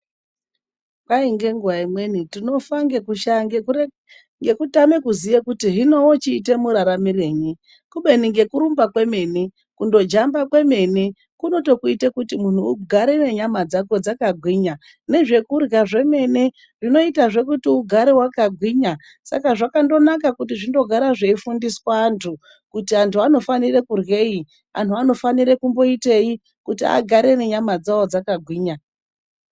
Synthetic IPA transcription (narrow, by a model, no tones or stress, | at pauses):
kaiŋɡe̞ŋɡuwaimwe̞nitino̞faŋɡekuʃaŋe | ŋɡe̞kutame̞kuzijekutiɦino̞wot͡ʃiːte̞muɾaɾamire̞ːɲi | kuɓe̞niŋɡe̞kuɾumbakwe̞me̞ːni | kundo̞d͡ʒambakwe̞me̞ni | kuno̞to̞kuitekutimun̤uːɡʱaɾene̞ɲamad͡zako̞d͡zakaɡʱwiːɲa | ne̞ʐe̞kurɣaʐe̞me̞ne̞ | ʐino̞itaʐe̞kutiuɡʱaɾewakaɡʱwiɲa | sa̰kaʐakando̞nakakut̬iʐindo̞ɡʱaɾaʐeifundiswaːntʰu | kutiantʰuano̞fanirekurwe̞i | a̰n̤tuano̞faniɾe̞kumbo̞ite̞i | kutia̰ɡʱaɾe̞ne̞ɲamad͡zawod͡zakaɡʱwiːɲa